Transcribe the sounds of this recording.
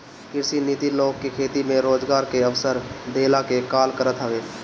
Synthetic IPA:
kɪɾsiniːt̪iloːɡ̚kekʰeːt̪imẽɾoːd͡ʒɡaːɾkeəʋsəɾd̪ʱeːlakekaːlkəɾət̪ɦəʋeː

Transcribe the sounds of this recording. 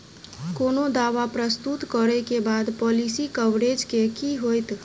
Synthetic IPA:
konod̪aʋapɾəst̪ut̪kəɾɛkebad̪pɔlisikəʋɾed͡ʒkekiɦojt̪

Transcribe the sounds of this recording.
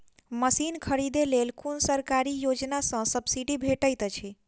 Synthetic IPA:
məsinkʰəɾid̪elelkunsəɾkaɾijod͡ʒnasə̃səbsiɖibʱeʈəjt̪t͡ʃʰi

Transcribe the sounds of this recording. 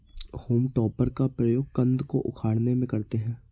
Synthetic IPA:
hoːmʈɔːpəɾkapɾɐjoːɡ̚kɐ̃nd̪koʔʊ̰kʰaːɽnemẽkɐɾt̪eɦɛ̃ː

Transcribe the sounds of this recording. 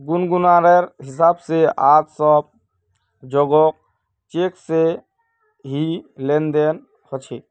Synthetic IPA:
ɡunɡunaɾeɾɦis̬abseat̪sɔb̚ | d͡ʒɔɡɔk̚ | t͡ʃekse | ɦilend̪en | hɔt͡ʃʰi

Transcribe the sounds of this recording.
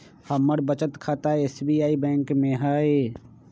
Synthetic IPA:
həmːəɽbət͡ʃət̪kʰaːt̪aeeːsbijaːibɛ̃ːŋkmẽɦaːe

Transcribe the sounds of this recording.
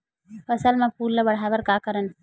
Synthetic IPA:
ɐsɐlmãpuːlːɐbɐɽ̤aːʋɐɾkaːkɐɾən

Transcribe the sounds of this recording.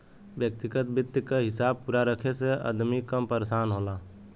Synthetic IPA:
bjək̚t̪iɡət̪bɪt̪ːjəkeɦɪsaːb̚puɾaɾəkʰeseə̰d̪mikəmpəɾesaːnɦola

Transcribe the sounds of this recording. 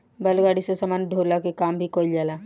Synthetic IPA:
bəlɡaːɽisesəmaːnɖʱoːlakekaːmbʱikoːɪld͡ʒaːlaː

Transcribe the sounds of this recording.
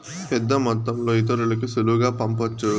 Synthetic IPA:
pɛd̪ːɐmɔt̪ːɐmloːit̪̬ɐɾulɐkisuluɡaːpɐmpɐt͡ʃːu

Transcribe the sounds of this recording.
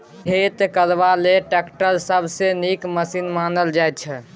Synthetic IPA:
ɦet̪kəɾʋaleʈekʈəlsəbʱsenikməsinmanəld͡ʒajt̪̚t͡ʃʰɛ

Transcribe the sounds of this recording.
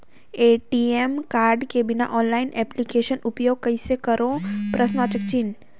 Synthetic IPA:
eːʈiːemkaːɾɖkebɪna̰ʔɔːnlaːɪnʔɛːplikeːʃənʊpjoːɡ̚kɐisekɐɾʔõːpɾʔɐsnaːt͡ʃək̚t͡ʃin

